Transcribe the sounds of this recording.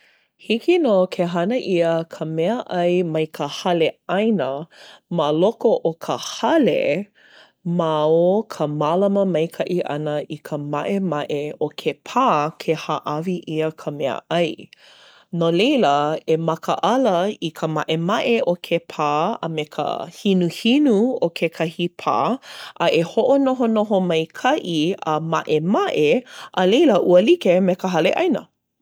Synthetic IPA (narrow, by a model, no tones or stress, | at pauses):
hikinoːkʰeɦɐnəʔiəkʰəmɛəʔɐjmɐjkʰəhɐleajnəmalokoʔokʰəhɐlḛ | maokʰəmalɐməmɐjkʰɐʔiʔɐ̰nəʔikʰəmaʔemɐʔeokʰepʰaːkʰehaʔɐviʔiəkʰəmɛə̰ʔɐj | nolejləemɐkʰəʔɐləikʰəmaʔemɐʔeʔokʰepʰaːə̰mekʰə̰hinuhinuokʰekʰɐhipʰa̰ːʔəʔehoʔonoɦonoɦomɐjkʰɐʔiəmaʔemaʔeʔəlejləʔuəlikemekəɦɐleʔɐjnə̰